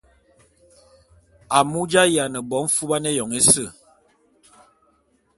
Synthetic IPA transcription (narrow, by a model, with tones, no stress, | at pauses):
a˨mu˦d͡ʒa˦ja˨nə˨bɔ˨˦ɱ̩˦fu˦ba˦ne˦jɔ˨ŋe˦sə˦˨